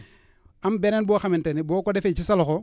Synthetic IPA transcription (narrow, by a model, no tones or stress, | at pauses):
ambenenboxamintenibokodefet͡ʃisaloxo